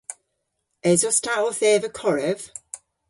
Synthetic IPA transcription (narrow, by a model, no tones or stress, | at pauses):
ɛzɔstʰaʔɔθɛːvəkʰɔɹɛv̥